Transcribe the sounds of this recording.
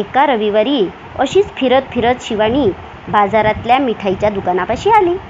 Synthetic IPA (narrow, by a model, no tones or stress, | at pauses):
ekaɾəʋiʋaɾi | əɕiːt͡sfʰiɾət̪fʰiɾət͡s̪ɕiʋaɽ̃iː | bad͡zaɾat̪ljamiʈʰajt͡ɕjad̪ukanapaɕiːali